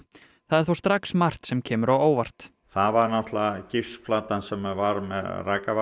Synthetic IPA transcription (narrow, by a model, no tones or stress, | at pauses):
θaðɛɾ̥θowst̪ɾaksmar̥t̪sɛmcʰɛːmʏɾawoːwvar̥t̪ | θaðvaɾnaht̪lacɪfsflaːt̪ansɛmvaɾmɛðraːkav